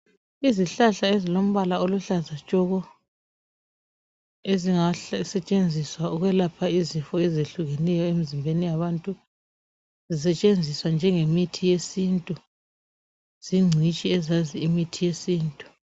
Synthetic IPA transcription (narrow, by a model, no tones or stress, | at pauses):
iziɬaɬaezilom̩βalaoluɬazat͡ʃʼɔɣɔ | eziŋasɛt͡ʃʼend͡zʱiswauɣwɛlapʰaizifɔɛzeɬuɣenɛjɔemizimbʱenijaβantʼu | zis̬ɛt͡ʃʼend͡zʱiswand͡ʒʱɛŋemitʰijesintʼu | z̥iŋ͡ǀʱit͡ʃʼiɛzaziimitʰijesiːntʼu̥